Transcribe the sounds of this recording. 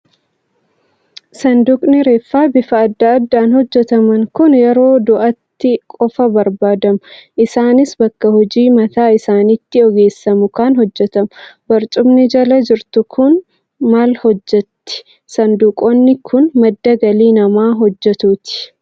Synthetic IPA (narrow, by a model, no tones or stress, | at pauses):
sɐnd̪ukʼnɪɾeːfːaːbɪfɐːd̪ːɐɐd̪ːaːnhɔd͡ʒːɛt̪ɐmɐŋkʊnjɛɾo̞ːd̪ʊʔɐt̪ːɪkʼɔfɐbɐɾbaːd̪ɐmʊʔɪsaːnɪsbɐkːɐhɔd͡ʒiːmɐt̪aːɪsaːnɪt̪ːɪɔɡe̞ːsːɐmʊkaːnɦɔd͡ʒːɛt̪ɐmʊbɐɾt͡ʃ̪ʼʊmnɪd͡ʒɐlɐd͡ʒɪɾt̪ʊkʰʊn | maːlhɔd͡ʒːɛt̪ːɪ̥ | sɐnd̪uːkʼɔnːɪkʰʊnmɐd̪ːɐɡɐliːnɐmaːɦɔd͡ʒːɛt̪uːt̪ɪ̥